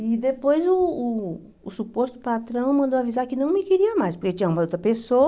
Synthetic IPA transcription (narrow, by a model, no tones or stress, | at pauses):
ɪd̪epojzʊː | supost̪ʊ̥pat̪ɾɐ̃w̃mɐ̃nd̪oavizaɾkɪnɐ̃w̃mɪkiɾiɐmajspoɾket͡ʃĩɲɐũmɐot̪ɾɐpeso